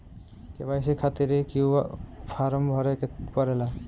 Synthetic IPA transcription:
kebajs̬ekʰat̪iɾekiwpʰaɾɔmbʱɔɾɛkpɔɾɛla

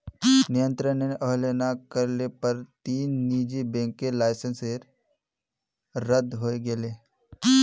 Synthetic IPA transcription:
nijə̃nt̪ɾəneʔəɦlenakəɾlepəɾt̪iːnːid͡ʒibẽŋkelaːɪsənseɾ | ɾəd̪ɦoːeɡeleː

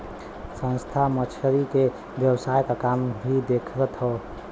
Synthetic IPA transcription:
sə̃nst̪ʰamət͡ʃʰəɾike | bjəwsajkakambʱid̪ekʰɾət̪ɦɔ

